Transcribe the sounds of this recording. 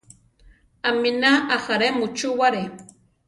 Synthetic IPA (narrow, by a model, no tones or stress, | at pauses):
aminaaxaɾemʊt͡ʃuwaɾe